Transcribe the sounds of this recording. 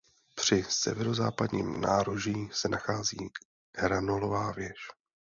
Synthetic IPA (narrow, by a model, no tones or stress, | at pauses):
pr̝̥ɪsɛ̰vɛɾo̞zaːpadɲiːmnaːɾoʒiːsɛnaxaːziː | hɾanolovaːvjɛʃ